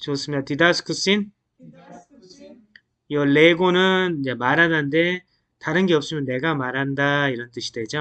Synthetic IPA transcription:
t͡ɕos͈ɯmidatidasʰɯ̥kʰɯs͈in | jʌɭːeɡonɯnid͡ʑe̞maɾanande̞ | taɾɯnɡeʌp̚ɕ͈imjʌnːe̞ɡamaɾɦandaiɾʌnt͈ɯɕʰi̥dwed͡ʑo

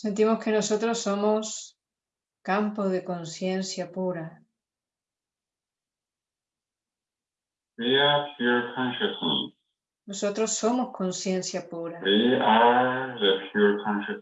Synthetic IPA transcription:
sent̪imoskenosot̪ɾosːomos | kampoðeko̞nsje̞nsjapuɾa | wiapʰjuɹkʰɔ̃nʃəsnḛs | nosot̪ɾoso̞moskonsje̞nsjapuɾawiaðəpʰjuɹkʰɔ̃nʃa

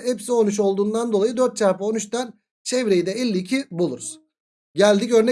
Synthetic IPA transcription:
ɛpsio̞nuʃ̬o̞lˠd̪uːnd̪and̪o̞lˠajɯd̪øɾt̪̚t͡ʃʰafaonuʃt̪an | t͡ʃʰɛvɾejid̪ɛɛlʲːiːcʰibulˠuɾuz̥ | ɟælʲd̪icø̞ɾnɛ

